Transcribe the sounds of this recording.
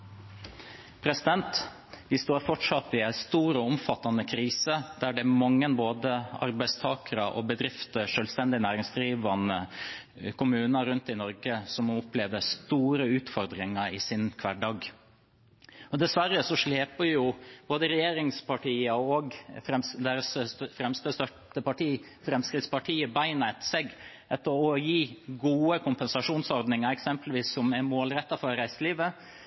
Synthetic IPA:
pʰɾɛsɪd̪ɛnt̪ | ʋɪst̪oːɾfɔʈʂɑt̪ːɪæɪst̪uːɾɔʊmfɑt̪ːɑnəkʰɾiːsəd̪̥æɖɛmɑŋːənboːd̪əɑ̰ɾbæɪst̪ʰɑːkəɾɑʔɔ̰bəd̪ɾɪft̪əʂøːlst̪ɛnd̪ɪnæːɾɪŋsd̪ɾiːʋɑnə | kʰʊmʉːnɑɾʉnt̪ɪnɔɾɡəsɔmʊpleːʋəst̪uːɾəʉːt̪fɔɾd̪ɾɪŋɑɪsɪnkʰʋæɖɑːɡ | ɔd̪ɛsʋæɾːəsɔʂɭeːpəɾjʊb̥oːd̪əɾɛjeːɾɪŋspʰɑʈiːɑɔɡfɾɛmsd̪eːɾəssfɾɛmst̪əst̪œʈəpɑʈʰiː | fɾɛmskɾɪt̪spɑʈʰiːəbæɪnæɪt̪seɡ | ʔɛt̪ːəɾɔjiːɡuːəkʊmpɛnsɑʂuːnsɔɾd̪nɪŋɑɾɛksɛmpəlʋiːsːɔmɛmoːlɾɛt̪ːɑfɔɾɾæɪsəliːʋə

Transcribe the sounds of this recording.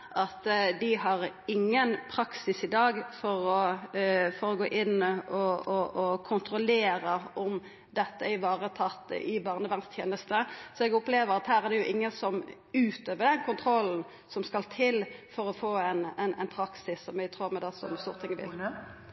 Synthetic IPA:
ʔɑt̪d̪ɪɦɑɾɪŋːənpʰɾɑksɪsɪd̪ɑːɡfɔɾɔ | fɔɾɔɡoːʔɪnːɔɔɔkʰʊnt̪ɾʊleːɾəɔm | d̪ɛt̪ːəɪʋɑːʁət̪ʰɑt̪ːɪbɑːʁnəʋæʁnst̪ʰjḛːnəst̪əsɔɛɡʊpleːʋəɾɑt̪hæːɾæʁd̪ɛjʊʔɪŋːənsɔm | ʉːt̪øːʋəd̪ɛnkʰʊnt̪ʰɾɔln̩ | sɔmskɑlt̪ʰɪlfɔɾɔfoːɛnɛnɛɪnpʰɾɑksɪsːɔmjæɡt̪ʰʁuːʁmɛd̪ɛsɔ̰mst̪uːʁət̪ʰɪŋəʋɪ̰l

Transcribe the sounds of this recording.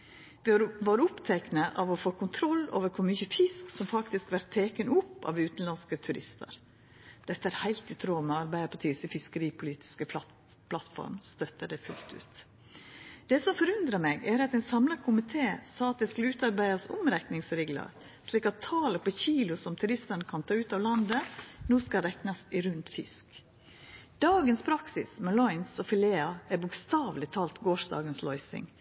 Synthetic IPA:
ʋɪʋɑːɾʊpt̪ʰɛknəʔɑʋɔfoːkʰʊnt̪ʰɾɔlːo̰ːʋəɾkʰʊmʏçəfɪsksɔmfɑkt̪ɪskʋæɾt̪ʰːeːkənʊpːɑ̰ʋʉːt̪n̩lɑnskət̪ʰʉɾɪst̪ə̰ɾ | d̪̥ɛt̪ːəæɾhæɪlt̪ɪt̪ʰɾoːmɛɑɾbæɪəpʰɑʈ̪ʰiːsəfɪskəɾiːpʰʊliːt̪ɪ̥skə | pʰlɑt̪fɔ̰ɾmst̪œt̪ːəɖɛfʉlt̪ʉ̰ːt̪ | d̪̥ɛsɔmfɔɾʉnd̪ɾɑmɛɡæɾɑt̪ɛɪnsɑmlɑkʰʊmɪt̪ʰeːsɑːɑt̪̚d̪ɛskʉləʉːt̪ɑɾbæɪɑsɔ̰mɾɛknɪŋsɾeːɡlɑ̰ɾ | ʂliːkɑt̪ʰːɑːləpɔçiːlʊsɔmt̪ʰʉɾɪst̪ənəkʰɑnt̪ʰɑːʉːt̪ɑːʋlɑnd̪ənoːskɑɾɛknɑsɪɾʉnt̪fɪ̰sk | d̪̥ɑːɡənspʰɾɑksɪ̰smɛlɔʏnsɔfɪleːɑæɾbʊkst̪ɑːʋlɪt̪ʰɑːlt̪ɡoːʂd̪ɑ̰ːɡənslɔʏsɪ̰ŋ

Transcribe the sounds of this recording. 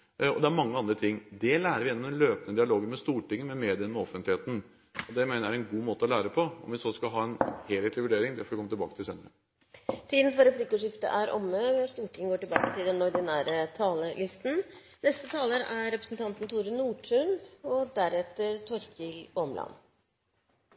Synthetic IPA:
ɔd̪ɛæɾmɑŋːəɑnd̪ɾət̪ʰɪŋːd̪ɛlæːɾəɾʋɪjɛnːɔmd̪ɛnløːpənəd̪ɪɑloːɡəmɛst̪uːʈɪŋːəmɛmeːd̪ɪənmɛɔfːənt̪lɪheːt̪n̩ | ɔd̪ɛmeːnəæɾɛnɡuːmoːt̪əɔlæːɾəpʰɔɔmʋɪsɔskɑlɦɑːɛnheːlheːt̪lɪʋʉɖeːɾɪŋd̪ɛfɔɾʋɪkʰɔmət̪ɪlbɑ̰ːkət̪ʰɪlseːnəɾə | siːd̪n̩fɔɾɛpliːkʊːʂɪft̪ə̰ʔæɾʔɔ̰mːəst̪uːʈʰɪŋəɡoːʈɪlbɑ̰ːkət̪ʰɪld̪ɛnɔɾd̪ɪnæːɾət̪ʰɑːləlɪst̪n̩ | nɛst̪ət̪ʰɑːləɾæɾɾɛpɾəsn̩t̪ʰɑnt̪n̩t̪ʰuːɾənːuːʈʰʉnɔd̪æɾɛt̪ːəɾt̪ʰɔɾkʰɪlɔmlɑ̰n

